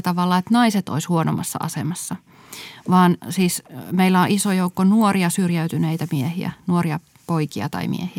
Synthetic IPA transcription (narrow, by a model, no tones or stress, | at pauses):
t̪ɑʋɑlːɑet̪nɑiset̪o̰ishuono̰mɑ̰sːɑ̰ʔɑ̰semɑsːɑ | ʋɑːnsiːsmeilːæoʔisojoukːonuoriɑsyrjæyt̪yneit̪æmiehiæ̰nuoriɑ | poikiɑ̰t̪ɑ̰imḭḛhiæ